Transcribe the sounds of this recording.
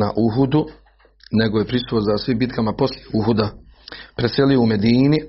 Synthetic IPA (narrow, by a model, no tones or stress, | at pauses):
na̰ʔuɦud̪u | ne̞ɡo̞je̞pɾisuozasʋimbit̪̚kamapo̞sljeuɦud̪apɾeseliuume̞d̪iːni